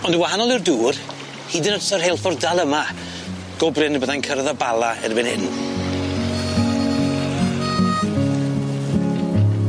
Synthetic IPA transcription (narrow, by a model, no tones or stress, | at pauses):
ɔndəwaɦanɔlˠɪrduːr | hidɪnɔdsɔrhelˠfɔrdalˠəma | ɡ̥ɔbrɨnbəðajnkʰərðabalˠaɛ̰rbɪnɛ̰dn̩